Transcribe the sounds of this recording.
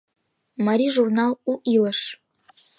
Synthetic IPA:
mɑɾʲiʒurnɑlˠuʔilə̆ʃ

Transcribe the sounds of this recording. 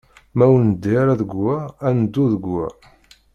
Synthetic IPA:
mæwənəd̪ːiɾaðəɡwæænd̪ːuðəɡæ̰

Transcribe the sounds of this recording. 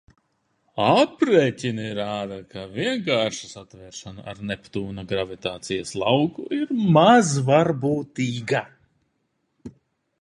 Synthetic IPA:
apɾeːcʲiniɾaːd̪akaviɛŋkaːɾʃasat̪vɛːɾʃana̰ʔa̰ɾnɛpt̪uːnaɡɾavit̪aːt̪sijaslˠawkuʔiɾmazvaɾbuːt̪iːɡa

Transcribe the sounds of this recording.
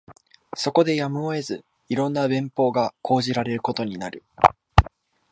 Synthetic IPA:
so̞ko̞d̪e̞jamɯ̟oe̞zɨ | iɾõ̞nːabẽ̞mpo̞ːɡakʰo̞ːʑiɾaɾe̞ɾɯ̟ko̞t̪o̞ɲ̟inaɾɯ̟

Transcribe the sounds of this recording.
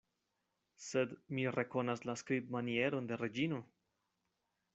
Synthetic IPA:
sedmire̞ko̞naslaskɾitmanie̞ɾo̞nde̞ɾe̞d͡ʒino̞

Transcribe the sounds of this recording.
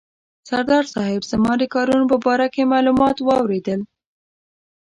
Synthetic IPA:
saɾd̪ɑɾsɑɦɪbzəmɑd̪əkɑɾunopəbɑɾakemɑlumɑt̪wɑwɾed̪əl

